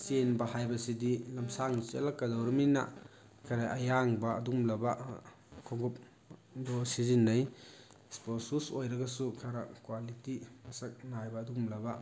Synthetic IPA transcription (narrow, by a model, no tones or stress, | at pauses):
senbɐhajbɐsidilɐmsaŋnt͡ʃḛlakːɐdawɾɐmina̰ | kʰaɾaʔɐjaŋbɐɐdumlɐba | kʰɔŋɡup̚ | dɔsizinːɐj | sposusojɾɐɡɐsukʰɐɾɐkwalitimɐsɐk̚najbɐːdumlɐba